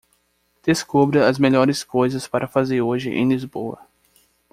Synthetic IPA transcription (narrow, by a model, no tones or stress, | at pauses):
d̪̥eskobɾɐɐzmeʎɔɾɪskojzɐspaɾɐfazeɾoʒɪ̰ʔḛ̃j̃lizbowɐ̰